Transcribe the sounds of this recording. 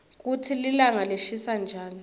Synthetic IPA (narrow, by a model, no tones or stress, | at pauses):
k̬utʰililaŋaleʃisand͡ʒʱaːni